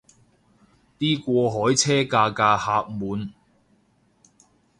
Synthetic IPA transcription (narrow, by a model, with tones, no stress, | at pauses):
t̪iː˥kʷɔː˧ɦɔː˨˥jt͡sʰɛː˥kaː˧kaː˧haː˧p̚muː˨˧n